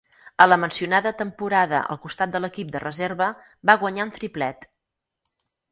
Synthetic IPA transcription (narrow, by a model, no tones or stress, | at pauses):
ələmənsiunaðət̪əmpuɾaðə̰ʔə̰lˠkust̪at̪̚d̪ələkip̚d̪ərəzeɾβə | baɣwəɲaunt̪ɾiplɛt̪